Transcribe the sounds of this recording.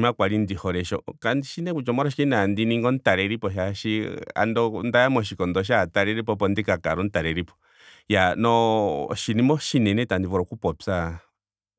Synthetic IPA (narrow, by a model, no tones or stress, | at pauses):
mãkʷaɾind̪ihoɾeʃo̰kand̪iʃinẽkʷut͡ʃomõɾaʃ̬iinãnd̪inĩŋɡont̪aɾeɾipoʃaʃia̰nd̪ond̪ajamõʃ̬ikond̪oʃ̬at̪aɾeɾipopond̪ikakaɾont̪aɾeɾipo̥ | janõʃinĩmõʃinẽnẽt̪and̪iβoɾokupopsa